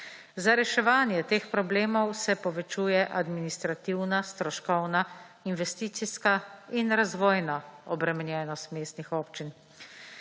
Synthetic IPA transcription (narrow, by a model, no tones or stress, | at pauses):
zaɾɛʃɛʋaːnjɛt̪eːxpɾɔbleːmɔwsɛpɔʋɛt͡ʃuːjɛʔad̪minist̪ɾat̪iwnast̪ɾɔʃkɔwna | inʋɛst̪iːt̪siskainɾazʋɔːjnaɔbɾɛmɛnjɛːnɔst̪meːst̪nixoːpt͡ʃin